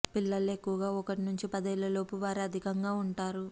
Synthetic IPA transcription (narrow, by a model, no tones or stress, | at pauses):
pilːɐle̞kːuʋɐɡaːɔkɐʈinuɲt͡ʃipɐd̪ɐilːɐlo̞ːpuʋaːɾiɐd̪ʱikɐŋɡaːuɳʈaːɾu